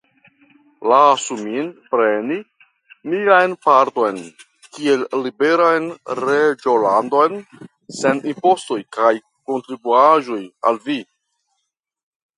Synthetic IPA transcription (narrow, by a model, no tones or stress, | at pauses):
lasuminpɾe̞ni | miajnpaɾt̪o̞jn | kie̞lːibe̞ɾajnɾed͡ʒolando̞jn | se̞nimpo̞sto̞jkaj | ko̞nt̪ɾibuaʒo̞ja̰lvi